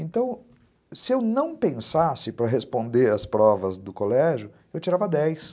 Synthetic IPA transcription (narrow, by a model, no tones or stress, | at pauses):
ẽnt̪ɐ̃w̃ | sɪewnɐ̃w̃pẽsasɪpɾɐɦespõnd̪eɾɐspɾɔvɐzd̪ʊkolɛʒʊ | ewt͡ʃiɾavɐd̪ɛjs